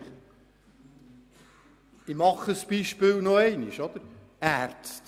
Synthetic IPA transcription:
imɑχəsb̥iʃpɪːlnoɛɪniʃɔd̥̪əɾ | æːrtt͡st

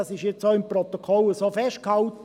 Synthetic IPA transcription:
ɑsɪʃjɛt͡ssoːɪmprot̪okʰɔləsoːfɛʃtkhɑlt̪

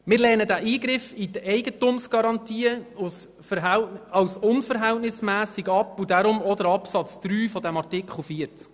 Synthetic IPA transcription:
mɪːɾlɛːnədæʔiːɡɾɪfidəʔɛɪɡətʊmsɡ̥ɑɾɑntiːəus | fəɦɛɑwsʊnfəɾɦɛltnɪsmæːsiɡɑpːudaɾʊmɔd̪əɾɑpsɑt͡sd̪̥ɾyːfɔdæmɑrtɪkχl̩fiəɾt͡sk

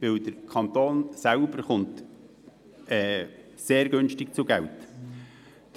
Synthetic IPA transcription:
ʋɪld̪əɾkʰɑnt̪oːnsælbəɾχʊnt | ɛː | seːɾɡʏnʃtɪk̚t͡sʊɡælt

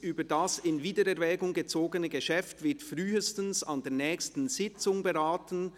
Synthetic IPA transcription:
ʔyːbədasɪnviːdəɾɛɾvɛːɡʊŋɡət͡soːɡənəɡəʃɛftv̥ɪtfʁyːəstən̩sɑndeːɐnɛːçstn̩z̥ɪt͡sʊŋbəʁaːtən̩

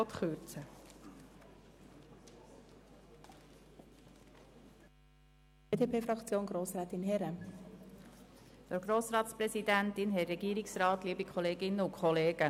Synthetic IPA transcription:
ɔt̪χøːt͡sə | edeːpeːfɾɑkt͡sjoːnɡɾoːsɾɛːt̪ɪnɦɛɾə | d̪̥əɾɡɾoːsɾɑːt̪spɾɛsid̪ænt̪ɪnɦɛɾɛɡiːɾɪksɾɑːt̪liːəbikʰɔleːɡɪnːəukʰχɔleːɡ̥ə

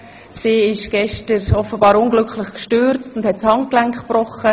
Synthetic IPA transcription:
siːɪʃɡ̥ɛʃtəɾɔfəbɑːɾʊŋɡlʏkχlɪχkʃtøːɾt͡stʊndhɛt̚t͡shɑŋklæŋχb̥rɔχə

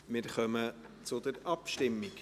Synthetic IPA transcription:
mɪɾχœmə | t͡sʊd̪əɾɑpʃtɪmːɪk

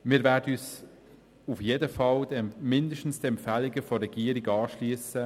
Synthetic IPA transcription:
mɪːɾvɛːɾdəyːs | ufjedəfɑldmɪndəʃtn̩sd̥ɛmpfæːliɡəfɔrɛɡ̥iːəɾiɡɑːʃliːsə

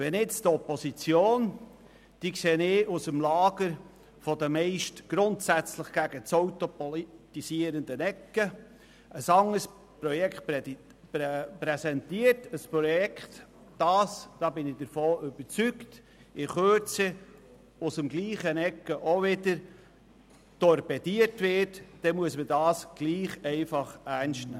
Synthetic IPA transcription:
ʋɛnɪt͡stɔposit͡sjoːn | d̥iːkseːnɪusəmlɑːɡ̥əɾ | fodəmɛɪʃtɡ̥ɾʊntsæt͡sləχɡ̥æɡət͡soʊtopɔlitisiəɾəndənɛkːə | əsɑŋəs | pɾɔjɛkχtp | pɾɛsɛntiətəspɾɔjɛkχt | d̥ɑːsd̥ɑːbɪnɪd̥əɾfoːʔʏb̥əɾt͡sykt | ɪχøːt͡sɪ | ʊsəmɡliːχənɛkːəʔoʋɪdəɾ | tɔɾpɛdiətʋɪtd̥ɛmuəsmədɑːsɡ̥liːχɛɪfɑχæɾnʃtnæ̰ː

